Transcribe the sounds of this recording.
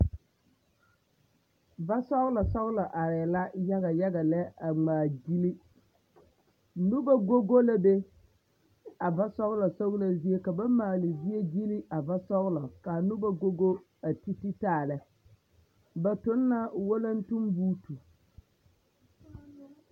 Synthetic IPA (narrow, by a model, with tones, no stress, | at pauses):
ba˦sɔ˦ɣla˨sɔ˦ɣla˨ʔa˨ɾɛː˨la˦ja˦ɣa˨ja˦ɡa˨lɛ˦a˨ŋ͡maː˨ɡi˦li˦ | nʊ˦ba˦ɡo˦ɡo˦la˦be˦ | a˨va˦sɔ˦ɣla˨sɔ˦ɣla˨zi˦e˦ka˨ba˦maː˨lɪ˨zi˦e˦ɡi˦li˦a˨va˦sɔ˦ɣlɔ˨ka˨nʊ˦ba˦ɡo˦ɡo˦ | a˨ti˦tɪ˦taː˦˨lɛ˨ | ba˨tʊ˨˦nːa˦wo˦la˦n˦tu˦mbuː˦tu˨